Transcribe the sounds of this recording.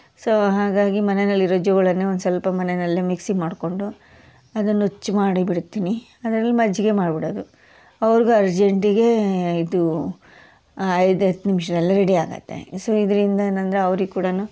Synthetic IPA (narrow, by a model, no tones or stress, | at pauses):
soːɦaːɡaːɡimɐnenɐlːiɾod͡ʒoɡɐɭɐnːeond̪usɐlpɐmɐnenɐlːimiksimaːɽko̞ɳɖu | ɐd̪ɐnːut͡ʃːumaːɽibiɽut̪ːiːni | ɐd̪ɐɾɐlːimɐd͡ʒːiɡe̞maːɖbiɽoːd̪u | ɐʋɐɾiɡuɐɾd͡ʒe̞ɳʈiɡe̞id̪u | ɐjd̪ɐt̪ːnimʃ̬ɐd̪ɐlːɐɾeɽiaːɡɐ̰t̪ːe̞̰soːid̪ɐɾind̪ɐenɐnd̪ɾeɐʋɾiɡkuːɽɐnu